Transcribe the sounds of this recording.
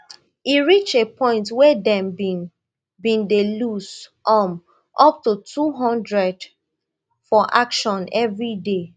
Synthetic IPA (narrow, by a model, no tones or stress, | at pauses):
iɹit͡ʃepʰɔ̃ɪ̃ntwɛdɛ̃mbi | bĩndelusɔm | ʔɔp̚tutuɦɔ̃ndɹɛd | fɔʔakʃɔ̃nɛvɹide